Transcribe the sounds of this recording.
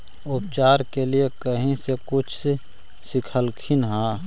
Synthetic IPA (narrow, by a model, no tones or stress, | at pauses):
ʊp̚t͡ʃaːɾkeliekəɦẽsekʊt͡ʃʰse | sɪkʰəlkʰinɦãː